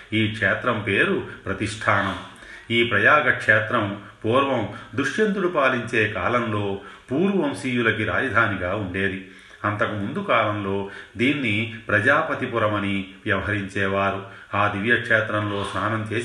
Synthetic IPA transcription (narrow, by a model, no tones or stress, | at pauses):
iːkʂɛːt̪ɾɐmpeːɾupɾɐt̪iʂʈʰaːnɐm | iːpɾɐjaːɡɐkʂɛːt̪ɾɐmpuːɾʋɐmd̪uʂjɐnt̪ulupaːliɲt͡ʃeːkaːlɐmlo̞ːpuːɾuʋɐmsiːjulɐkiɾa̰ːd͡ʒɐd̪ʱaːniɡaːuɳɖe̞ːd̪i | ɐnt̪ɐkumund̪ukaːlɐmlo̞ːd̪iːnːipɾɐd͡ʒaːpɐt̪ipuɾɐmɐniʋjɐʋɐɦɐɾiɲt͡ʃɛːʋaːɾu | aːd̪iʋjɐkʂɛːt̪ɾɐmlo̞ːsaːnɐmt͡ʃeː